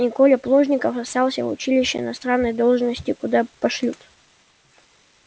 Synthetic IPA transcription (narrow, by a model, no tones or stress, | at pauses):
nʲɪkolʲəplˠoʐnʲɪkəfɐst̪ɑlˠsʲəvʊ̰t͡ɕilʲɪɕːə̰ɪ̰nɐst̪ɾanːəjd̪o̞lˠʐnəsʲtʲɪkʊd̪apɐʂlʲut̪